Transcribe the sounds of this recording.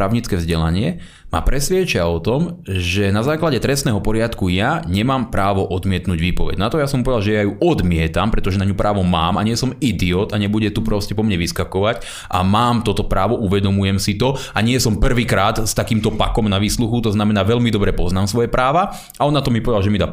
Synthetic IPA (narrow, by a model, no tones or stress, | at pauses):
ɾaːʊɲit͡skɛːvzɟɛla̰ɲɪɛ | ma̰pɾɛsʋɪɛt͡ʃɪaɔt̪ɔmʒɛnazaːklaɟɛt̪ɾɛstnɛːɦɔpɔɾɪat̪kujaɲɛmaːmpɾaːʋɔʔɔd̪mɪɛt̪nuɟʋiːpɔʋɛ̰ɟnat̪ɔjasɔmpɔʋɛd̪alʒɛjajuʔɔd̪mɪɛt̪ampɾɛt̪ɔʒɛnaɲupɾaːʋɔmaːmaɲɪɛsɔmid̪iɔːt̪aɲɛbuɟɛt̪upɾɔscɛpɔmɲɛʋiskakɔʋac | ʔa̰maːmt̪ɔt̪ɔpɾaːʋɔʔuʋɛd̪ɔmujɛmsit̪ɔaɲɪɛsɔmpr̩ʋiːkɾaːt̪st̪akiːmt̪ɔpakɔmnaʋiːsluxut̪ɔznamɛnaːʋɛʎmid̪ɔbɾɛpɔznaːmsʋɔjɛpɾaːʋa | aɔnːat̪ɔmipɔʋɛd̪alʒɛmid̪aː